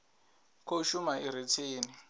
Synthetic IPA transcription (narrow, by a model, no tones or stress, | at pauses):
kʰoʃumaiɾit͡sʰeːnɪ